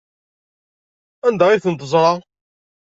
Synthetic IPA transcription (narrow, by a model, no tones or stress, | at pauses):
ænd̪æʁiθənt̪̬əzˤɾˤɑ